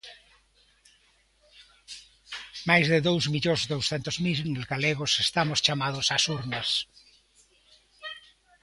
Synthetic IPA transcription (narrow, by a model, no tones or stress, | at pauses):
majzðeðowzmiʎozðowsθent̪ozmilnelɣaleɣosest̪amost͡ʃamað̞osasuɾnas